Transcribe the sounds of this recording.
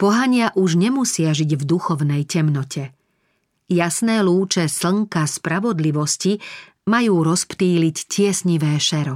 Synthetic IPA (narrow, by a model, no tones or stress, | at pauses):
pɔɦaɲɪaʔuʒɲɛmusɪaʒiɟvd̪uxɔʊnɛjcɛmnɔcʰɛ | jasnɛːluːt͡ʃɛsl̩ŋkaspɾaʋɔd̪liʋɔsci | majuːɾɔspt̪iːliccɪɛsɲiʋɛːʃɛɾɔ